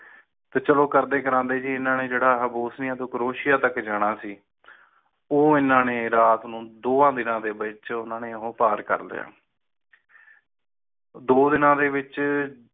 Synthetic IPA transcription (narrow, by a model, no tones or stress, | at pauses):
t̪eːt͡ʃəloːkəɾd̪eːkəɾãːnd̪eːd͡ʒiːɪnãːneːd͡ʒeːɽaːɦəboːsnɪjãːt̪oːkɾoːʃɪjaːt̪əkd͡ʒaːɽ̃aːsiː | oːɪnːãːneːɾaːt̪nũːd̪oːãːd̪ɪnãːd̪eːbɪt͡ʃʊnãːneːɦõːpaːɾkə̰ɾlḛːa̰ː | d̪oːd̪ɪnãːd̪eːbɪt͡ʃ